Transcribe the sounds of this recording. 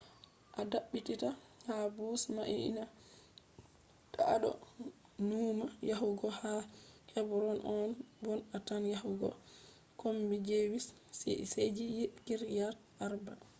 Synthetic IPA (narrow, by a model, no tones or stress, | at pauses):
ʔadaɓːitita | habusmaʔḭna | taa̰ɗɔ̰ | numajaɦuɡɔhahɛbɾɔnʔɔnbɔnatanjahuɡɔ̰ | kombid͡ʒewis | sɛ̰sed͡ʒijikiɾjaɾ | ʔaɾba̰